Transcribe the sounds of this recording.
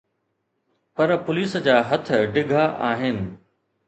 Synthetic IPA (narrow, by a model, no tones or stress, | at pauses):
pɐɾpʊliːsd͡ʑaːɦɐt̪̆ʰɖɪɡʱaʔaːɦɪnɪ̆